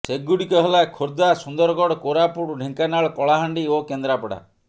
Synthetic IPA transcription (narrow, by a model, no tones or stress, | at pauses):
seɡuɽikɔɦelakʰoɾd̪asund̪ɔɾɔɡɔɽɔkoɾapuʈɖʱeŋkanaɭɔkɔɭaɦaɳɖiokend̪ɾapɔɽa̰